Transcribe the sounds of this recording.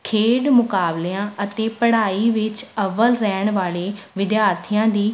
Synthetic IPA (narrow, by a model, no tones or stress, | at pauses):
kʰeːɖmʊkaːbleãːʔət̪eːpəɽaːiːʋɪt͡ʃəʋəlɾɛːɳ̃ʋaːleːʋɪd̪jaːɾt̪ʰijãːd̪iː